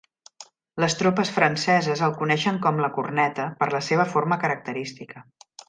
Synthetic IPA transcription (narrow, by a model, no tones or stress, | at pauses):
ləst̪ɾopəsfɾənsɛzəzəlˠkunɛʃəŋkɔmləkurnɛt̪əpəɾləseβ̞əforməkəɾək̚t̪əɾist̪ikə